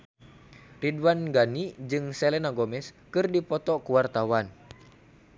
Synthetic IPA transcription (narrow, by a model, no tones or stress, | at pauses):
ridwanɡanid͡ʒɨŋsɛlɛnaɡɔmɛskɨrdipɔt̪ɔkuwart̪awan